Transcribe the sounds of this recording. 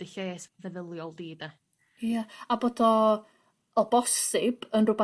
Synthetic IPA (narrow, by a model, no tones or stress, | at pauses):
dɪɬesvɛðəlˠjɔlˠdiːda | jaaboːdɔː | bɔsɪb̥ənrʊba